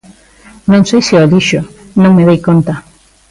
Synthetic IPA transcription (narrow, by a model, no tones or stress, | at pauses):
nõŋsejsɪoðiʃonõŋmeðejkont̪a